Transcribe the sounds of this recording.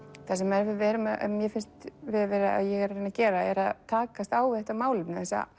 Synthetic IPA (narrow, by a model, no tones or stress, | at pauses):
θɛsɛmːɛɾvɪðvɛɾʏmaʔɛ̰mːjɛfɪnst̪vɪðvɛːɾɪa̰ðjɛɣɛɾrejnacɛːɾaɛɾaðt̪ʰaːkast̪aːwvɪðɛht̪amaːwlʏmnɪθɛsːa̰